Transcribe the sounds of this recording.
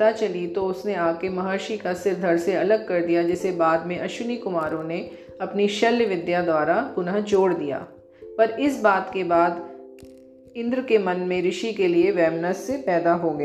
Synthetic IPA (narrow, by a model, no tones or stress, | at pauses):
t̪at͡ʃɐlit̪oʊsneaːkemɐɦaːʃikasɪɾd̪ʱɐɾseɐləɡ̚kɐɾd̪ijad͡ʒɪsebaːd̪mẽʔɐʃʊnikʊmaːɾõne | ɐpniʃɐlːjʋɪd̪jad̪waːɾapʊnəɦd͡ʒoːɽd̪ija̰ː | pɐɾɪsbaːt̪kebaːd̪ | ɪ̃nd̪ɾkemɐnmẽɾɪʃikelieʋɛːmnəsːepɛːd̪aɦoːɡɐja